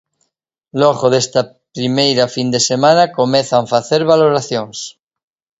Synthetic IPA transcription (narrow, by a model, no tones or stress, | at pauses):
loɣoðest̪a | pɾimejɾafind̪esemãnakomeθaɱfaθeɾβaloɾaθjoŋs